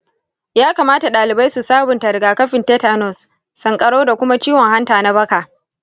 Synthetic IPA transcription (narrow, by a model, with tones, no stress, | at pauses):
jaː˦kaː˨maː˦ta˨ɗaː˨lɪ˨ba˦jsu˨saː˦bʊ˨ntɐ˨ɾɡaː˨kɐ˦ɸɪ˨nteː˦ta˦nɔ˨sː | ɐ˨ŋkʼɐ˨ɽoː˦da˨kʷʊ˦ma˦t͡ʃiː˦wɔ˨ŋha˦ntaː˨na˦bɐ˦kaː˨ʔ